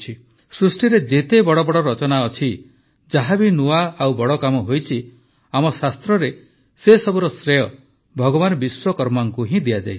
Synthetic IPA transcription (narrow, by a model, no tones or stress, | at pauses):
t͡ʃʰi | sɾusʈiɾed͡ʒet̪ebɔɽɔbɔɽɔɾɔt͡ʃɔnaɔt͡ʃʰi | d͡ʒaɦabinuaawbɔɽɔkamɔɦojt͡ʃʰi | amɔsast̪ɾɔɾe | sesɔbuɾɔsɾejɔ | bʱɔɡɔbanɔbiswɔkɔɾmaŋkuɦĩd̪ijad͡ʒa̰j